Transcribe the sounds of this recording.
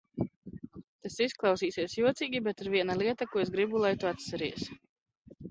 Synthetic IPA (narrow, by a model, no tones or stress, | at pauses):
t̪asisklˠɑwsiːsiɛsjuɔt̪siːɡʲibɛt̪iɾviɛnalˠiɛt̪akuːesɡɾibulˠajt̪uat̪sɛɾiɛs